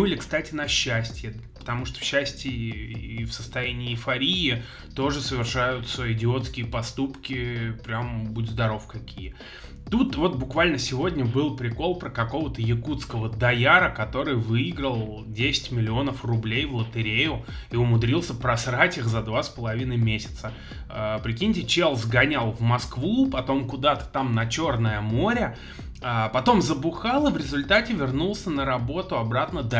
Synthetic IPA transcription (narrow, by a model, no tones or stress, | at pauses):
nuɪlʲɪkst̪atʲɪnɐɕːæsʲtʲjəpə̥t̪ɐmuʂt̪o̥fɕːæsʲtʲɪifsəst̪ɐjænʲɪːɪfɐɾʲijɪ | t̪o̞ʐɨsəvʲɪrʂajʊt̪səɪdʲɪo̞t̪skʲɪjəpɐst̪upkʲɪpɾʲambudʲzd̪ɐɾo̞fkɐkʲijə | t̪ut̪vo̞t̪̚bʊkvalʲnəsʲɪvo̞dʲnʲəbɨlˠpɾʲɪko̞lˠpɾəkɐko̞vət̪əjɪkut̪skəvəd̪ɐjaɾəkɐt̪o̞ɾɨjvɨiɡɾəlˠ | dʲesʲɪ̥tʲmʲɪlʲɪo̞nəfrʊblʲejvlˠət̪ɨɾʲejʊiʊmʊd̪ɾʲilˠsʲəpɾɐsɾatʲixzɐd̪vaspəlˠɐvʲinəjmʲesʲɪ̥t̪sə | əpɾʲɪkʲinʲɪtʲɪt͡ɕelˠzɡɐnʲalˠvmɐskvupɐt̪o̞mkʊd̪at̪ə̥t̪amnɐt͡ɕo̞rnəjəmo̞ɾʲə | apɐt̪o̞mzəbʊxalˠəvɾʲɪzʊlʲt̪atʲɪvʲɪrnulˠsʲənəɾɐbo̞t̪ʊɐbɾat̪nəd̪a